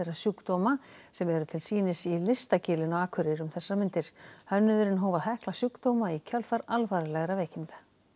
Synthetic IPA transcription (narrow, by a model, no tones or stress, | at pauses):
eɾasjukt̪oːmasɛmɛɾʏt̪ʰɪlsiːnɪsilɪst̪acɪːlɪnɔaːkʰʏɾɪɾʏmθɛsːaɾmɪnt̪ɪɾ̥hœnːʏðʏɾɪnɦoːwvaθɛhklasjukt̪owmaicʰœlfaɾalvaːɾɪlɛɣɾavɛːcɪnt̪ḁ